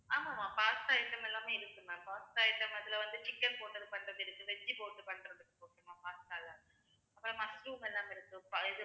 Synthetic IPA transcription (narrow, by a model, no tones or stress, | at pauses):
aːmaːmaːpaːst̪aːjɪʈːɐmɛlːaːmeːɪɾɯkːɯnãːpaːst̪aːjɪʈːɐmɐðɪlɐʋɐnd̪ɯt͡ʃɪkːɐnpoːʈːɐðɯpɐɳɾɐðɪɾɯkːɯʋɛt͡ʃːipoːʈːɯpɐɳɖɾɐðɯkːɯpoːʈːɯmaːpaːst̪aːlɐ | ɐpːɯɾõːmɐsɾuːmɛlːaːmɪɾɯkːɯ̃pɪðɯ